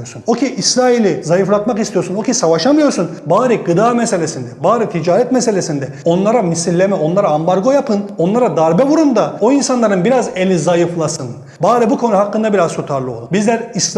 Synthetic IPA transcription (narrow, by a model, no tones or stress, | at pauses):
oɾsuno̞cʰiʔːsɾaːilʲizajɯflˠat̪makist̪ijo̞ɾsuno̞cʰisavaʃamɯjo̞ɾsunbaːɾiɡɯd̪aːmɛse̞lʲesind̪ɛbaːɾit̪ʰid͡ʒaːɾɛt̪mɛse̞lʲe̞sind̪ɛo̞nlˠaɾamisilʲːemɛo̞nlˠaɾaambaɾɡo̞japʰɯno̞nlˠaɾad̪aɾbɛvuɾund̪ao̞insanlˠaɾɯnbiɾaze̞lʲizajɯflˠasɯn | baːɾibukʰo̞nuhakːɯnd̪abiɾazh̪ut̪ʰaɾlˠɯo̞̰lˠubizlʲæɾis